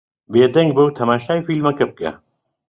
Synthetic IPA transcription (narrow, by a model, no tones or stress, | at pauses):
beːd̪ɐŋɡ̚bɐwt̪ʰɐmaːʃaːifilmɐkɐp̚ka̰